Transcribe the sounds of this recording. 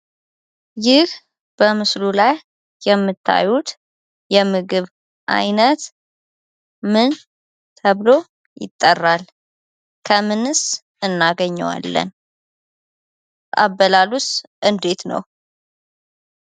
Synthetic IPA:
jɪh | b̥əmɨslulajː | ɛmːɨt̪ʰːa̰jut̪ | jɛmɨɡɨβ | ʔa̰jnət̪ | mɨn | t̪ʰəβlo̞ | jɪ̰t̪ʼːərːal | kʰəmɨnɨs | ɨnːaɡəɲːə̰wa̰lːə̰n | a̰βːəlalusʔɨnd̪e̞t̪nə̰w

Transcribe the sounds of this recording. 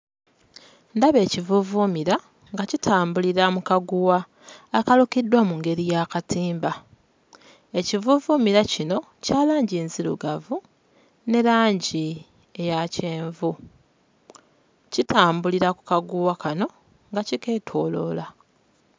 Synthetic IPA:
ndaβe̞ːcivuvumiɾa | ŋɡacitʰaːmbuliɾamukaɡuwaː | kalukidːwamuŋɡe̞ɾijakatʰiːmba | e̞civuvumiɾacino̞ | caːlaːɲɟiːnzilṵɡavu | ne̞ɾaːɲɟi | e̞jace̞ːɱvu | citʰaːmbuliɾaku̥kaɡuwakano̞ | ŋɡacike̞ːtʰo̞ːlo̞la

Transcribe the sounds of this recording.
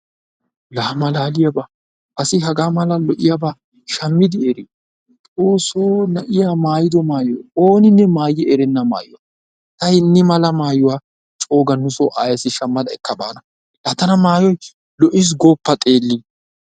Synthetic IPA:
laːmɐlaːlɪjɐba | ʔɐsɪɦɐɡaːmɐlɐlɔʔɪjaba | ʃɐmːɪd̪ɪeɾi | t̪ʼoːsonɐʔɪjamaːjɪd̪ɔmaːjɔoːnɪnːɛmaːjːɪɛɾɛnːɐma̰ːjʊwa | t̪ɐɪnːɪmɐlɐmaːjʊwaː | t͡ʃʼo̞ːɡɐnʊsɔʔaːjɐsɪʃɐmːɐd̪ɐɛkːɐba̰ːnɐ | laːt̪ːɐnɐmaːjɔj | lɔʔɪs̬ɡoːpːɐt̪ʼeːlːi

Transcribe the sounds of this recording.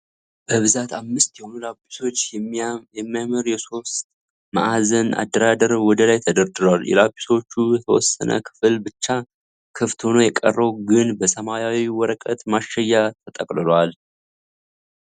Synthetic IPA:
b̥əβɨzat̪ʰamːɨst̪jɛhonulapːi̥so̞t͡ʃː | ɛmːiamɨɾjɛso̞st̪̚ | ma̰ʔazəna̰d̪ːəɾad̪əɾwɔd̪əlajt̪ʰəd̪əɾd̪ɨlaljɛ̰labːi̥so̞t͡ʃːujɛt̪ʰəwɔ̰sːə̰nʔə̰kʰɨ̥fɨlbɨt͡ʃːa | kʰɨft̪ho̞no̞jɛkʼə̰rːəwɡɨnbəsəmajawiwɔɾəkʼət̪maʃːɛjːat̪ʰət̪ʼəkʼlɨloal

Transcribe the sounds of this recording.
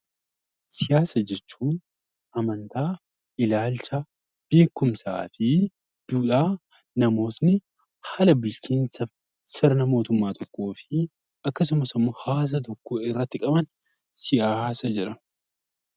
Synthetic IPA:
sɪjaːsɐd͡ʒɛt͡ʃːuːn | ɐmɐnt̪aː | ʔɪlaːlt͡ʃɐ | b̥e̞ːkːʊmsa̰ːfɪ | d̪̥uːᶑaː | nɐmo̞ːt̪nɪ | hɐlɐbɪlt͡ʃiːnsɐ | sɪɾnɐmo̞ːt̪ʊmːaːt̪ʰɔkːo̞ːfɪ | ɐkːɐsʊmɐsɪmːɔhaːs̬ɐt̪ɔkːoɪrːɐt̪ːɪkʼɐbɐn | sɪjaːsɐd͡ʒɛᶑɐ

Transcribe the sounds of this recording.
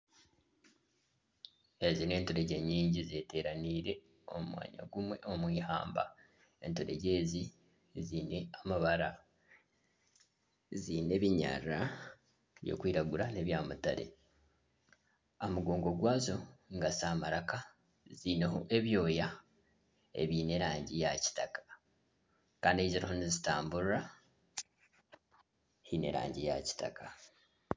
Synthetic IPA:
ezine̞ːntoɾe̞ɟe̞ɲiːɲɟize̞te̞ːɾaniːɾe̞ | omwa̰ːɲa̰ɡumwe̞ʔo̞mwiːha̰ːmba̰ | e̞ntoɾe̞̰ɟe̞ːzi | zine̞amaβaɾa | zine̞βiɲa̰ɾa | βjo̰kwiːɾaɡuɾane̞βjaːmuta̰ɾe̞̰ | amuɡo̞ːŋɡo̞ɡwaːzo̞ŋɡasaːmaɾaka | ziːneɦoʔe̞βjo̞ːja | ḛβiːne̞ɾaːɲɟijaci̥takḁ | kaːndieiziɾihonizitaːmbuɾɾa | hine̞̰ɾa̰ːɲɟija̰ci̥ta̰kʰa

